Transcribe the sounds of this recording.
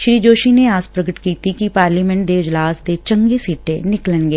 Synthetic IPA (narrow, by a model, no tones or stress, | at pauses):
ʃɾiːd͡ʒoːʃineaːspɾɐɡəʈkiːt̪ikipaːɾliːmɛ̃ɳʈ̚d̪eɪd͡ʒlaːsd̪et͡ʃɐ̃ŋɡesiːʈenɪklənɡeː